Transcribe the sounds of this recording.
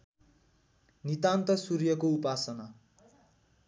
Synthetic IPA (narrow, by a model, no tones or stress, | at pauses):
nit̪ant̪ʌsuɾjʌkoupasʌna